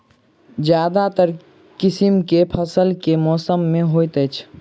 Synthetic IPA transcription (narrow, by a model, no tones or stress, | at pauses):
d͡ʒjaːd̪at̪əɾ | kisimkepʰəsəlkemɔːsəmːẽɦojt̪əjt͡ʃʰ